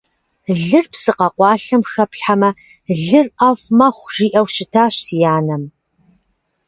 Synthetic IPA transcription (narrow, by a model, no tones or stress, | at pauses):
ɮɨrpsɨqɐqʷɑːɬɐmxɐpɬħamɐ | ɮɨrʔɐfmɐχʷʒ̥iːʔɐwɕɪtʰaːɕsijaːnɐm